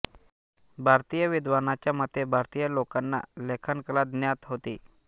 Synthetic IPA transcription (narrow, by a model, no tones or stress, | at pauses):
bʱaɾt̪ijəʋid̪ʋanat͡ɕjamət̪ʰːebʱaɾt̪ijəlokanːa̰lekʰankəlad̪njat̪ɦot̪iː